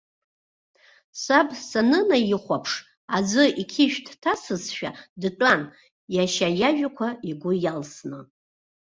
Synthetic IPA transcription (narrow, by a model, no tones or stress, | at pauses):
sabsanɨnajiχʷapʰʂ | ad͡zʷɨikʲʰɪʒᶣdʰtʰasɨzʃᶣa̰dʈ͡ʂʼan | jaʃajaʒᶣakʷʰaiɡʷʊjalsnɨ